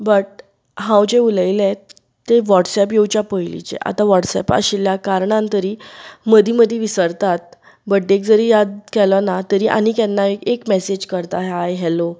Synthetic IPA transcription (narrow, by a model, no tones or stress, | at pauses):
bəʈ̚ | ɦãwd͡ʑeuləjlɛ | t̪ːeʋɔʈsɛpjewt͡ɕjapəjlḭt͡ɕḛʔa̰t̪aʋɔʈsɛ̰pa̰ɕiljakaɾɳãnt̪əɾiːməd̪ʱiməd̪ʱeʋisəɾt̪at̪̚ | bəɖːek̚d͡zəɾijad̪kɛlɔnat̪əɾiʔa̰nikɛnːaekekmɛsed͡ʑkəɾt̪aɦajɦɛlo